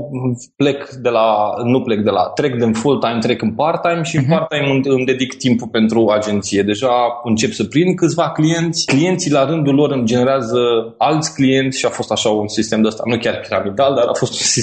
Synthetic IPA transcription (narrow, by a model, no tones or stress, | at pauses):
ple̞kd̪e̞lanuplek̚d̪e̞la̰t̪ɾe̞kd̪enfolt̪ajmt̪ɾe̞kɨnpart̪ajmʃiɨnpart̪ajmɨɨmd̪e̞d̪ikt̪impulpe̞nt̪ɾuad͡ʒe̞nt̪sije̞d̪e̞ʒaɨnt͡ʃe̞psəpɾinkɨt̪sʲvaklije̞nt̪sʲklije̞nt̪silaɾɨnd̪ulo̞ɾɨmd͡ʒe̞ne̞ɾeazəalt̪sʲklije̞nt̪sʲʃiafo̞st̪aʃaunsist̪e̞md̪eəst̪a̰nukʲarpiɾamid̪ald̪aɾa̰fo̞st̪unsi